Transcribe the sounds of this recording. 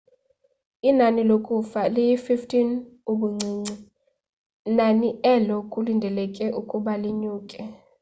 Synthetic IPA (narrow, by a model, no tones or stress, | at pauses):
inanilokʼufalijififtʰinuɓuŋ͡ǀʱiːŋ͡ǀi | naniɛlɔkʼulindʱɛlɛkʼɛʔukʼuɓaliɲuːkʼɛ